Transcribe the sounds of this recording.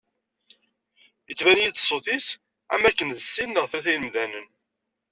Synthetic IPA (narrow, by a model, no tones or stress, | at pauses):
jət͡sːvænjit͡s̪sˤːoθis | æ̰mækːənðəsːinːəʁθɾæθæjnəmðænən